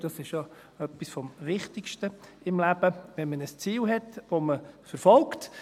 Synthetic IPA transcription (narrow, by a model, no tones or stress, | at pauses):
d̥ɑsɪʃjɑ | œpːisfɔmvɪχtɪkʃtə | ɪmlæb̥əʋɛnmənəst͡siːlɦɛtʋoməfəɾfɔlkt